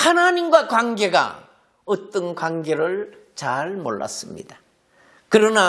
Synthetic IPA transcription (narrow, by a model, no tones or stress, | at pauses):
hanaɲimɡwakwanɡe̞ɡa̰ | ɯt͈ɯnkwaŋɡe̞ɾɯɭ | t͡ɕaɭmo̰ɭːa̰s͈ɯmɲḭd̥ḁ | kɯɾʌna